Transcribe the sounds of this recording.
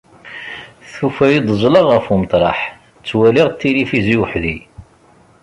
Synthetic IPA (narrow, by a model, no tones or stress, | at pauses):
θufæjid̪ˤəzˤləʁəfumət̪ˤɾˤɑ̰ħ | t͡sːwæliʁt̪ːilifiziwħði